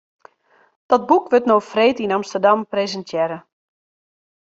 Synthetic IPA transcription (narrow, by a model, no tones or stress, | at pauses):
d̥ɔt̚bukʋøtnofreːtinamstərdamprezəntʰjɛɾə